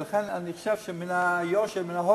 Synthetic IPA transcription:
laχenaniχo̥ʃɛvʃɛminajoʃeminaɦo

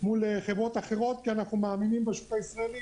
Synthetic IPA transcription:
muleχevʁo̞t̪aχe̞ʁo̞t̪̚kianaχnumaːminimbaʃutaisʁaeli

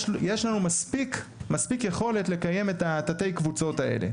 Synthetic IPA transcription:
jeʃlanumaspikmaspikje̞χo̞le̞tle̞kaje̞me̞tatate̞jkvut͡so̞taʔḛle̞̰

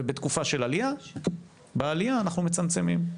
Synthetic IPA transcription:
bet̪kufaʃe̞lalija | bealiaːnaχnumet͡samt͡se̞mim

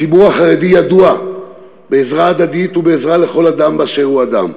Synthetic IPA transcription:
ibuʁaχaʁe̞d̪ijad̪ua | beːzʁaːd̪ad̪it̪ubeezʁale̞χo̞lad̪ambaʃeuad̪a̰m

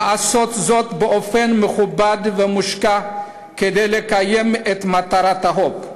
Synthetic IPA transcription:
aso̞t̪zo̞t̪beʔo̞fenmeχubad̪vemuʃka | ked̪ejlekaje̞met̪mat̪aɾat̪haɦo̞p

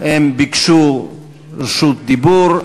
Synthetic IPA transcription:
ɛmbiksu | sut̪̚d̪ibuɾ

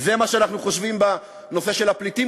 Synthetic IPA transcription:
zemaʃeanaχnuχo̞ʃvimba | nofe̞ʃelapliti

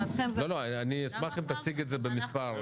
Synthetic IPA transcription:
teloloaniesmaχimt̪at͡siɡetzebemispaʁ

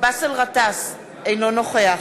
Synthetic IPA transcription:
basəlʁatas | ejnonoχea

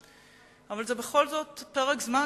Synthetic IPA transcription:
avalzebeχo̞lzo̞tpeʁekzma

